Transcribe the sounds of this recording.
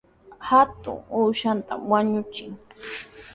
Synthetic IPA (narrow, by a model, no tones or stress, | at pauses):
hat̪ʊ̰ŋuːʃant̪a̰mwaɲʊt͡ʃɪŋ